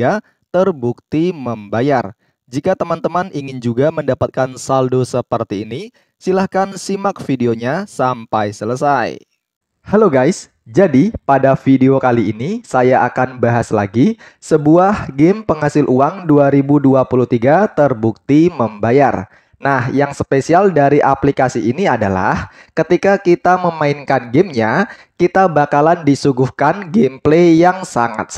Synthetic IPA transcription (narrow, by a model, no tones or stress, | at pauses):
a | t̪ərbuk̚t̪iməmbajar | d͡ʒikat̪əmant̪əmaniŋɪnd͡ʒuɡaməndapat̪̚kansaldosəpərt̪iːni | silahkansimak̚fideoɲasampajsələsaj | haloɡajs | d͡ʒadipadafideokaliːnisajaʔakanbaɦaslaɡi | səbuahɡɪmpəŋɦasɪlʔuaŋduaɾibuduapuluht̪iɡat̪ərbuk̚t̪iməmbajar | nahjaŋsəpesialdaɾiʔaplikasiiniada̰la̰h | kət̪ikakit̪aməmaɪnkanɡɪmɲakit̪abakalandisuɡuhkanɡemplejaŋsaŋa̰t̪̚